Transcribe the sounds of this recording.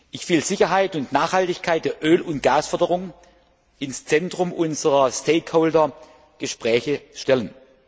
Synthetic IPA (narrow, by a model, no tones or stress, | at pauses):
ʔɪçv̥ɪlzɪçɐɦaɪtʊntnaːχhaltɪçkʰaɪt̚d̥eːɐʔøːlʊnt̚ɡ̥aːsfœɐdəʁʊŋ | ʔɪnst͡sɛntʁ̥ʊmʔʊnzəʁɐstʰeɪthoːldɐ | ɡ̥əʃpʁ̥ɛːçəʃtɛlən